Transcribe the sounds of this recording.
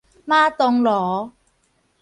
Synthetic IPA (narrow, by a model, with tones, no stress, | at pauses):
maː˥t̪ɔ˧ŋlɔː˨˩˦